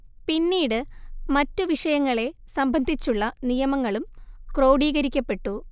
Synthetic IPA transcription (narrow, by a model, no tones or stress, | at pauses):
pinːiːɽɨmɐtːuʋiʂɐjɐŋːɐɭe̞sɐmbʱɐnd̪ʱit͡ɕːuɭːɐnijɐmɐŋːɐɭumkro̞ːwɽiːɣɐɾikʲːɐpːe̞ʈːu